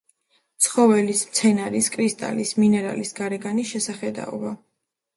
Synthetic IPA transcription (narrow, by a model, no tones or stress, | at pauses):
t̪sʰχɔvɛlismt̪sʰɛnaɾiskʼɾist̪ʼa̰lisminɛɾa̰lisɡ̥aɾɛɡanisʃɛsaχɛd̪a̰ɔ̰va